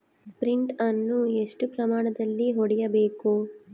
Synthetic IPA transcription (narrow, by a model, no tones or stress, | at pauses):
spɾiɳʈɐnːueʂʈupɾɐmaːɳɐd̪ɐlːiɦoɽijɐbeːku